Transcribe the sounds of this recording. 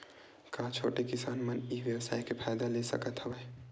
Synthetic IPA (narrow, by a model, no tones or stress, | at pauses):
kãt͡ʃʰo̰ʈekisaːnməniʋjəwsa̰ːjkepʰajd̪alesə̰kət̪ɦəbɛ